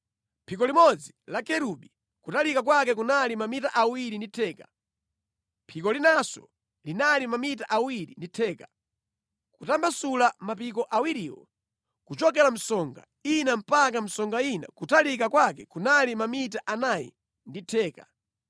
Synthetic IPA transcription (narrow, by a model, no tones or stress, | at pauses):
mpʰikɔlimɔd͡zilakɛɾuɓi | kutalikak̬wakɛk̬unalimamitaʔawiɾinditʰɛːka | mpʰikɔlinasɔ̰ | linalimamitaʔawiɾinditʰɛːka | kutambasulamapikɔʔawiɾiːwɔ̰ | kut͡ʃɔk̬ɛlam̩sɔŋɡa̰ | inam̩pakam̩sɔŋɡaina̰kutalikakwakɛkunalimamitaʔanajḭ | nditʰɛːka̰